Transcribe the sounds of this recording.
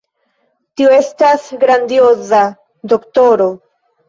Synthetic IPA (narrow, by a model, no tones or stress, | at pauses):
tioe̞stasɡɾand̪ioza | doktoɾo